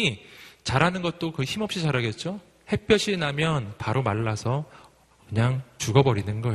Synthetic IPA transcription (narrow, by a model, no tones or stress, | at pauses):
it͡ɕaɾanɯnɡʌt̚t͈okɯçimʌp̚ɕ͈it͡ɕaɾaɡe̞t̚t͡ɕ͈o | he̞p͈jʌɕʰinamjʌnpaɾomaɭːasʰʌ | kɯɲaŋt͡ɕuɡʌbʌɾinɯnɡʌe